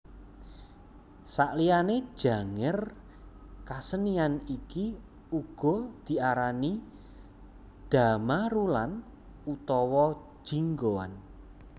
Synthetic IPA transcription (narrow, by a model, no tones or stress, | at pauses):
saʔlijane̥ʒ̥a̤ŋɪr | kasənianiki | uɡ̥ɔ̤d̪̥i̤aɾani | d̪̥amaɾulan | ut̪ɔwɔ̥ | ʒ̥iŋɡowa̰n